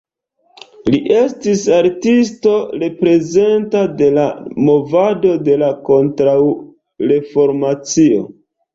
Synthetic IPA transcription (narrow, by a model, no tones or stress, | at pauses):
liʔe̞stisaɾtisto̞ɾe̞pɾe̞ze̞ntade̞lamo̞vado̞de̞lako̞ntɾaw | ɾe̞fo̞ɾmat͡sio̞̰